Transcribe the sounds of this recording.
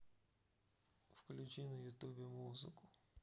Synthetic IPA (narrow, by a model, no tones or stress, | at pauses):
wklʲʊt͡ʃinʊjut̪ubʲimuzɪkʊ